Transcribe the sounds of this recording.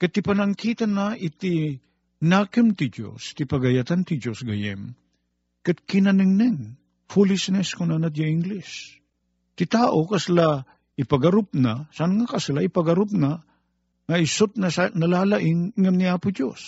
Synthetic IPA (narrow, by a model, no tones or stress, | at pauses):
kɐt̪ɪpɐnɐŋkiːt̪ɐnːɐʔɪt̪ɪ | naːkɨmt̪ɪd͡ʒo̰st̪ɪpɐɡɐjɐt̪ant̪ɪd͡ʒosɡɐjɛ̰m | kɐt̪̚kɪnɐnɨŋnɛŋ | fulɪsnɛskʊnanɐt̪̬̚jaɪŋɡlɪs | t̪ɪt̪aːʔokɐsla | ɪpɐɡɐɾʊp̚nasanŋɐkɐslaɪpɐɡɐɾʊpna | ŋɐɪsʊt̪̚nɐsnɐlaːlaʔɪŋŋɐmniaːpʊd͡ʒo̰s